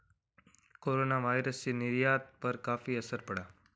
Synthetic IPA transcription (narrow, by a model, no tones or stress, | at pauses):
koːɾoːnaʋaːjɾəst͡ʃiːnɪɾjaːt̪̚pɐɾkaːfiːɐsəɾpəɽaː